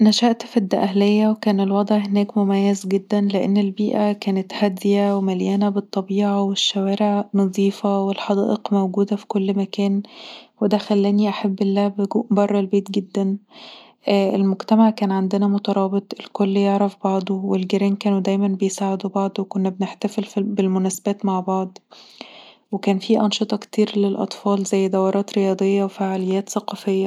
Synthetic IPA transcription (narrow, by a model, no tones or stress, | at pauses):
næʃæʔt̪fid̪ːæʔæhlejːæwekæːnelwɑd̪ˤʕhenæːkmomæjːæzɡed̪ːænleʔḛnːelbiːʔækæːnet̪hæd̪ːjæwemæljæːnæbet̪ˤːɑbiːʕɑweʃːæwæːɾeʕnɑðˤiːfɑwelħɑd̪æ̰ːʔeqmæwɡuːd̪æfi̥kolːmækæːnwed̪æxælːæniʔaħabːelːæːbeɡuːʔbɑrˤːɑlbeːt̪̚ɡed̪ːæn | ʔʔelmoɡt̪æmaʕkæːnʕand̪enæmot̪ɑɾˤɑːbet̪ˤelkolːjeʕɾɑfbɑʕd̪ˤowelɡeɾæːnkæːnud̪æjmænbejsaːʕed̪ubɑʕd̪ˤwekonːæbneħt̪æfelfbelmʊnæsæbæːt̪maʕbɑʕd̪ˤ | wekæːnfiʔɑnʃɨt̪ˤɑkt̪iːɾlelʔɑ̰t̪ˤfɑːlzæjːd̪ɑwːɑɾˤɑːt̪ɾejɑːd̪ˤejːɑwefaʕalejːæːt̪sɑqɑfejːæ